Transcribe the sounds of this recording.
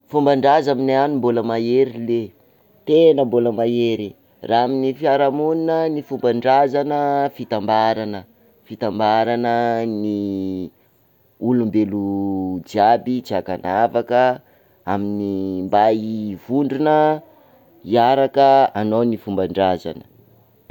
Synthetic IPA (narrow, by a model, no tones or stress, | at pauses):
fumbaɳɖ͡ʐazamineanimboləmaeɾile | t̪enəmboləmajeɾi | raaminifiaɾamuninənifumbaɳɖ͡ʐazanəfit̪ambaɾanə | fit̪ambaɾanəni | ulumbelud͡ʒiabit͡siakanavakə | aminimbajivuɳɖ͡ʐunə | iaɾakəanownifumbaɳɖ͡ʐaza̰nə̥